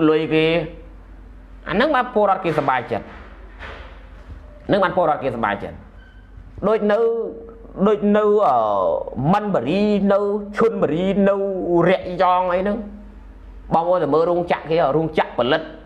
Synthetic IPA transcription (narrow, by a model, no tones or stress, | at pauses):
lʊjkeː | ʔa̰nɨŋɓaːnpoəlɾŏət̪̚keːsɑɓaːjt͡ɕə̰t̪̚ | anɨŋɓaːnpoəlɾoət̪̚keːsɑɓa̰ːjt͡ɕə̰t̪̚ | ɗoːc̚nɨw | ɗoːc̚nɨwʔəːmənɓəɾiːnɨwt͡ɕʰuənɓəɾiːnɨwrɛ̆əʔjɑːŋʔəjnɨŋ | ɓɑːmoːnt̪aməːlɾuəŋt͡ɕaʔkeːɾuəŋt͡ɕaʔpɔlɨt̪̚